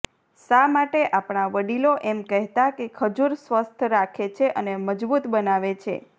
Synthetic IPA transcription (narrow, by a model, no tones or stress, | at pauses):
samaʈeʔapɳ̃aʋəɽiloʔemkəɦt̪akekʰəd͡ʒuɾsʋəst̪ʰɾakʰet͡ʃʰeʔəneməd͡ʒbut̪bənaʋet͡ʃʰḛ